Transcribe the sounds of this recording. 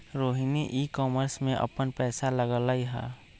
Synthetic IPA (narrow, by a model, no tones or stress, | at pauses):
ɾoːɦiniʔiːkɔːməɾsmẽʔə̰pənpɛːsaləɡəlaiɦɛ̰ː